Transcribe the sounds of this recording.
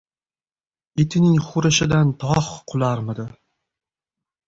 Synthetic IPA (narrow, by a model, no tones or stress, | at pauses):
et̪ʰɪnɪŋχʊɾɪʃɪd̪ant̪ʰɒχqʰʊlˠaɾmɪd̪ɪ